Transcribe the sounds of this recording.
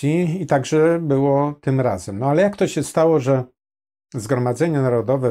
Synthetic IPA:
iit̪aɡʐɛbɘwɔt̪ɘmɾa̰zɛmnɔalɛjakt̪ɔɕɛst̪awɔʐɛ | zɡɾɔmad̪zɛɲɛnaɾɔd̪ɔvɛ

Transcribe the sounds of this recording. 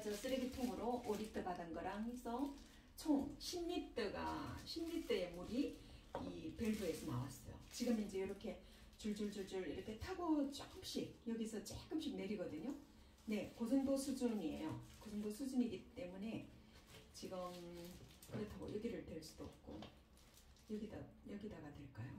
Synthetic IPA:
d͡ʑʌs͈ɯɾeɡitʰoŋɯɾoʔoɾit͈ʰɯbadanɡʌɾaŋisʰʌ | t͡ɕʰoŋɕʰimɲit͈eɡa̰ɕʰimɲit͈eemuɾiipe̞ɭbue̞sʰʌna̰wa̰s͈ʌjo̰t͡ɕiɡɯmind͡ʑe̞jʌɾʌkʰe̞ | t͡ɕuɭd͡ʑuɭd͡ʑuɭd͡ʑuɾiɾʌkʰe̞tʰaɡot͡ɕ͈ʌk͈ɯmɕ͈ik̚jʌɡisʰʌt͡ɕ͈eɡɯmɕ͈ʰik̚ne̞ɾiɡʌdɯɲo | ne̞kosʰʌŋdosʰud͡ʑuɲie̞̰jo̰kosʰʌŋdosʰud͡ʑuɲiɡit͈e̞mune̞ | t͡ɕiɡɯm | kɯɾetʰaɡo̰jʌɡiɾɯɭtweɭs͈ud̥oʌp̚k͈o̰ | jʌɡida̰jʌɡidaɡadwe̞ɭk͈ajo

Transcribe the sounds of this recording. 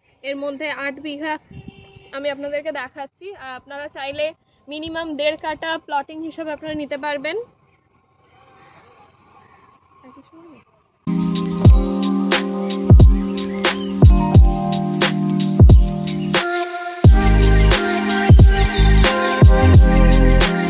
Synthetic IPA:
eɾmod̪ʱːeaʈbiɡʱa | amiapnad̪eɾked̪ɛkʰatːɕʰiapnaɾat͡ɕajle | minimamd̪eɾkaʈaplɔʈiŋɦiʃebeapnaɾanit̪epaɾben | ɛkit͡ɕʰon

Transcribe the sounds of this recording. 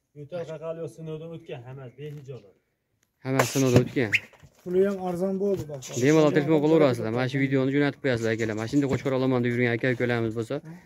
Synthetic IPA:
ʊt̪ʰaɾaqalˠijosɪnowd̪aot̪̚kʲanhamasb̪ehɪd͡ʒɒba | hamassɪnowd̪aɵt̪kʲanpʰʊlˠɪjamaɾzɒnbolˠd̪ɪbb̪emalˠat̪ʰeɾkmɑqʰolˠuɾasɪld̪amanaʃʊvid̪ejonɪd͡ʒonat̪ʰɪp̚qʰojas̬ɪld̪akʲʰelamaʃɪnd̪aqʰot͡ʃqʰɑɾɒlˠamand̪ɪbjʊɾɡʲanakʲʰelkʲʰɵlamɪzbosa

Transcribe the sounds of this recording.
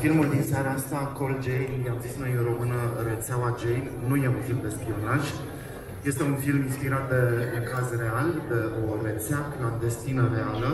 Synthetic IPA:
filmuld̪inseaɾeaast̪akold͡ʒejnmiamzisnojɾo̞mɨnəret̪seawad͡ʒejnnuje̞unfilmd̪e̞spio̞naʒ | je̞st̪e̞unfilminspiɾat̪̚d̪e̞uŋkazre̞ald̪e̞o̞ret̪seakəad̪e̞st̪inəre̞alə

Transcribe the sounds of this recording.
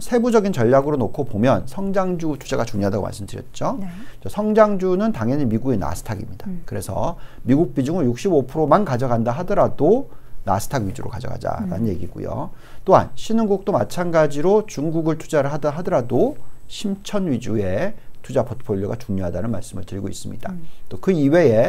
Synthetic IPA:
sʰebud͡ʑʌɡint͡ɕʌʎːaɡɯɾonokʰopomjʌnsʰʌŋd͡ʑaŋd͡ʑutʰu̥d͡ʑaɡat͡ɕuŋɲoɦadaɡo̰ma̰ɭs͈ɯmdɯɾjʌt̚t͡ɕ͈ot͡ɕʌsʰʌŋd͡ʑaŋd͡ʑunɯntaŋeɲimiɡuɡena̰sʰtʰaɡimɲid̥akɯɾe̞sʰʌ̰miɡuk̚p͈id͡ʑuŋɯɭjuk̚ɕ͈ibopʰɯɾomankad͡ʑʌɡandaɦadʌɾadona̰sʰɯ̥tʰaɡɥid͡ʑuɾo̰kad͡ʑʌ̰ɡa̰d͡ʑa̰ɾa̰nnje̞ɡiɡṵjo̰ | t͈oa̰nɕʰinɯŋɡuk̚t͈oma̰t͡ɕʰanɡad͡ʑiɾot͡ɕuŋɡuɡɯɭtʰu̥d͡ʑaɾɯɭɦadaɦadʌɾadoɕʰimt͡ɕʰʌnɥid͡ʑue̞tʰud͡ʑapʰotʰɯ̥pʰoʎːoɡat͡ɕuŋɲoɦadanɯnma̰ɭs͈ɯmɯɭtɯɾiɡois͈ɯmɲid̥at͈okɯiwe̞e̞

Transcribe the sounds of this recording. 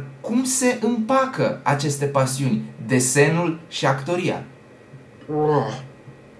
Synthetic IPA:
kumse̞ʔɨmpakəat͡ʃe̞st̪e̞pasiunʲd̪e̞se̞nulʃiakt̪o̞ɾia̰ | o

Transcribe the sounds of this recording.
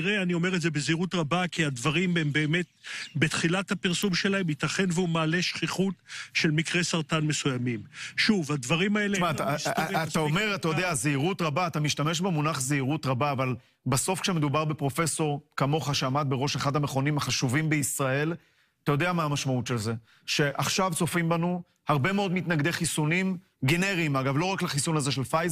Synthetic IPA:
ʁeanio̞me̞ʁetzebeziʁutʁabakiad̪vaʁimembe̞ːme̞t̪̚bet̪χilathapiʁsumʃe̞lae̞mit̪aχe̞nveumaːleʃχiχutʃe̞lmikʁe̞saʁtanme̞sujamimʃuvhad̪vaʁimaelemataat̪aome̞ʁat̪ajod̪eazeiʁutʁabaːt̪amiʃt̪ame̞ʃ̬bemunaχzeiʁutʁabaːval | baso̞fkʃemed̪ubaʁbepʁo̞fe̞so̞ʁkamo̞χaʃeamad̪̚beʁo̞ʃeχad̪hameχo̞nimhaχaʃuvimbeisʁae̞l | at̪ajo̞d̪eamaːmaʃmautʃelze̞ | ʃe̞ʔaχʃavt͡so̞fimbanu | haʁbe̞meo̞d̪mit̪naɡd̪e̞χisunim | ɡeneʁiimaɡavlo̞ʁaklaχisunaze̞ʃelfaz

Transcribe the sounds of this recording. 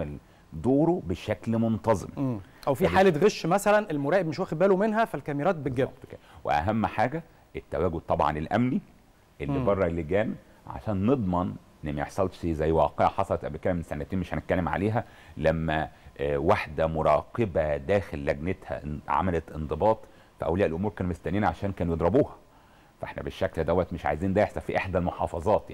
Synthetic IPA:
æl | d̪oːɾobeʃæklmont̪ˤɑzˤemːʔæwfiħaːlet̪ɣeʃːmæsælænelmoɾæːʔebmeʃwæxed̪bæːlomenɦæfælkæmiɾæːt̪̚beɡæwḛʔæ̰ɦæmːħaːɡæ | ʔet̪ːæwæːɡod̪̚t̪ˤɑbʕɑ̰nelʔæmni | ʔelːibɑrˤːɑlːeɡæːn | ʕa̰ʃæːnːed̪ˤmɑnʔenːmæjeħsˤɑlt̪ʃizæjːwɑːqeʕħɑsˤɑlɑt̪ʔæbekælæmnsænːæt̪eːnmeʃhænet̪̚kælːemʕa̰leːɦæ | læmːæwaħd̪æmoɾˤɑ̰ːqebæd̪æːxelːæɡnet̪hæ̰ʕa̰mælæt̪ʔend̪ˤebɑːt̪ˤ | fæʔæ̰wliːʔelʔomuːɾkæːnmost̪æniːnʕaʃæːnkæːnjed̪ˤɾɑbuːhɑ | fʔeħnæ̰beʃːækld̪æwːæt̪meʃʕa̰jziːnd̪æeħsˤɑfiʔeħd̪ælmoħɑ̰ːfɑzˤɑːt̪ˤja̰

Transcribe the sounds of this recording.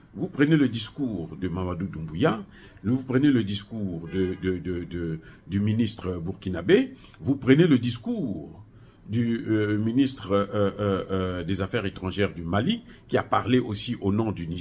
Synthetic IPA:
vupχəneləd̪iskuːʁd̪əmamad̪ud̪ũbuja | livupχəneləd̪iskuʁd̪əd̪əd̪əd̪əd̪yminist̪χəbuʁkʲinabe | vupχəneləd̪iskuːʁ | d̪yminist̪χə | d̪ezafɛʁet̪χɑ̃ʒɛʁd̪ymali | kʲiapaʁleʔosiʔonɔ̃d̪yni

